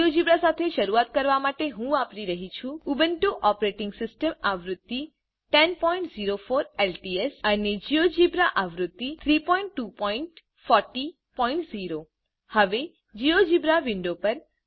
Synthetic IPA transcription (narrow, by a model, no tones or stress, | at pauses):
od͡ʒibɾasat̪ʰeʃəɾuat̪̚kəɾʋamaʈeɦũapɾiɾəɦit͡ʃʰũubənʈuʔɔpɾeʈɪŋɡsɪsʈəmaʋɾʊt̪ːi | ʈɛnpɔĩɳʈziɾofoɾelʈiesaned͡ʒiod͡ʒibɾaʔaʋɾʊt̪ːit̪ʰɾipɔiɳʈːupɔiɳʈ | fɔɾʈi | pɔĩɳʈziɾo | həʋe | d͡ʒiod͡ʒibɾaʋɪɳɖopəɾ